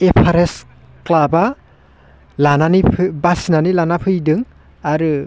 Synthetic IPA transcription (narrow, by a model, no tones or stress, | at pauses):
epʰaɾes | klaba | lananipʰbasinanilanapʰɯjdɯŋ | aɾɯ